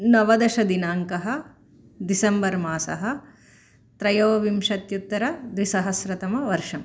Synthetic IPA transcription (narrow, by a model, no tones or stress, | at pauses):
nɐʋɐd̪ɐʃɐd̪inaːŋkɐɦɐ̆ | d̪isɐmbɐɾmaːsɐ̰ɦɐ̆ | t̪ɾɐjoːʋimʂɐt̪jut̪ːɐɾɐd̪ʋisɐɦɐsɾɐt̪ɐmɐʋɐɾʂɐm